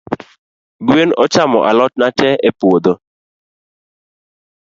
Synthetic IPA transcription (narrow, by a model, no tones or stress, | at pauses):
ɡwenɔt͡ʃamɔ̰ʔa̰lɔt̚natɛepwod̪o